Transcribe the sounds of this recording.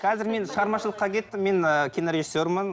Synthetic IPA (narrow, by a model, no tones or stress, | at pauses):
qʰɑzɪɾme̞nʃəʁɑɾmɑʃəlˠəqːɑkʲʰe̞t̪ːɪmːe̞nəkʲʰinoɾʲeʒisːo̞ɾmən